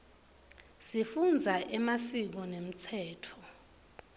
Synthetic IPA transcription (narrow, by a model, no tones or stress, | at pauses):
sifund͡zʱaʔɛmasik̬ɔnem̩t͡sʰɛːtʰɔ